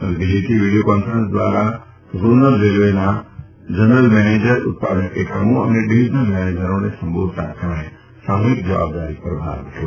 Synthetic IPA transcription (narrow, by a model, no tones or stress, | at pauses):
d̪ɪliʈ̪iʋiːɖijokɔːnfəɾə̃nsd̪ʋaːɾa | zuːnəlɾelʋena | d͡ʒənəlmɛːneːd͡ʒəɾʊ̰t̪̚pa̰ːd̪ənəkekəmõɐ̰neɖiɪd͡ʒnəlmɛːneːd͡ʒəɾõnesɐ̃mbʱoːd̪ʱt̪ʰa̰səmə̃ẽ | saːmɪk̪̚d͡ʒɐʋa̰ːb̚d̪aːɾipəɾbʱa̰ːʋt̪ʰjo